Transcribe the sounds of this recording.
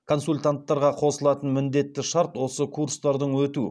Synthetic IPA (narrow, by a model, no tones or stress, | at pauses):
kʰo̞nsulʲt̪ant̪ːɑɾʁɑqʰo̞səlˠɑt̪ənmɪnd̪e̞t̪ːɪʃɑɾt̪wo̞səkʰuɾst̪ɑɾd̪əɴwɵt̪u